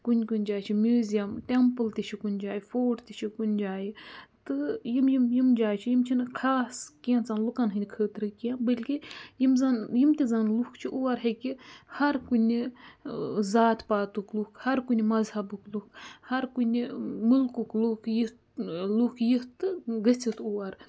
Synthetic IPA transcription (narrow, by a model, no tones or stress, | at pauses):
kunʲkunʲd͡ʒaːt͡ʃʰimʲuːzijɐmʈempɨlt̪ʲit͡ʃʰikunʲd͡ʒaːjifoːɾt̪ʲit͡ʃʰikunʲd͡ʒaːjit̪ɨjimjimjimd͡ʒaːjt͡ʃʰijimt͡ʃʰinkʰaːskĩnt͡sanlukanɦɨnʲkʰəːt̪ɾɨkijɐnbɐlʲkijimzanjimt̪ʲizanlukt͡ʃʰiʔuːaɾɦɐkihɐɾkunʲi | zaːt̪paːt̪uklukʰhɐɾkunʲimɐzhɐbuklukhɐɾkunʲimulkuklukjit̪ | lukʰjit̪ɨɡət͡sit̪uːaɾ